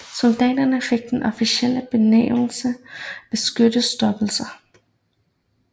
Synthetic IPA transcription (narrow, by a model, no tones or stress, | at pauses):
sɔld̥̪ɛɪdɐnəfeɡ̥̚d̥̪enʔɔfisiel̰əb̥enḛːml̩səb̥esɡ̥ød̥əsd̥ɔb̥l̩sɐ